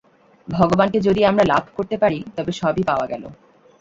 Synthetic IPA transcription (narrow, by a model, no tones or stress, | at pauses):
bʱɔɡobanked͡ʑod̪iamɾalabʱkoɾt̪epaɾit̪ɔbeʃɔbipaoaɡɛlo̰